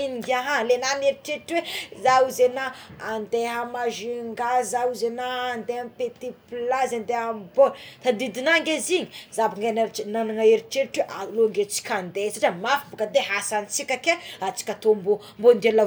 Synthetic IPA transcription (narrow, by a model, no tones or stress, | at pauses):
iiɡaɦalenaneɾiʈ͡ʂeɾʈ͡ʂwezauzenaand̪eɦamaʒiŋɡazauzenaːnd̪eampet̪iplazand̪eɦamboɾt̪ad̪id̪inaŋɡeziɲizabaŋɡanananaŋaeɾiʈ͡ʂeɾʈ͡ʂweʔaloŋɡet͡si̥kʲʰand̪esaʈ͡ʂamafukəd̪eɦasant͡sikʲakeat͡si̥kʲat̪ombo | mbond̪ela